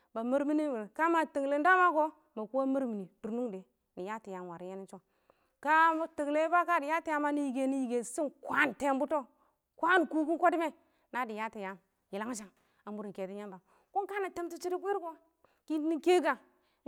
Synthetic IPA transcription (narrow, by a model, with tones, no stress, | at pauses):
ba˨mi˦ɾmi˦ni˦˨ka˦ma˨ti˨ŋ˨le˨n˦da˦ma˦ko˦ | ma˨ku˦a˦mi˦ɾmi˨ni˨du˨ɾnu˦ŋde˨ | ni˨ja˦ti˨ja˨wa˨ɾi˨je˦ni˦nt͡ʃo˦ | ka˦ma˦ti˨ŋ˨le˦ba˦ka˦˨di˨ja˦ti˦ja˦ma˦ni˨ji˨ɡe˨ni˨ji˨ɡe˨si˦nkʷa˦n˨te˦˨m˦bu˦to˦ | kʷa˦n˨ku˦ku˦nkʷo˦di˦me˦ | na˨˦di˨ja˦ti˨ja˨˦m | ji˨la˦ŋ˦ʃ̬a˨ŋ | a˨m˦bu˦ɾi˨ŋke˨ti˦ɲa˦mba˨ | ku˦ŋka˦na˨tə˦mti˦t͡ʃi˦ɾi˦kʷi˦ɾko˦ | ki˦ni˦ke˦ɡa˨